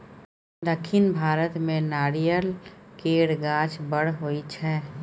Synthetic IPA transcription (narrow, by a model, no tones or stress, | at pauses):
d̪əkʰːɪnbʱaːɾət̪mẽnaːɾijəlkeːɽɡaːt͡ʃbəɽɦoit͡ʃʰɛː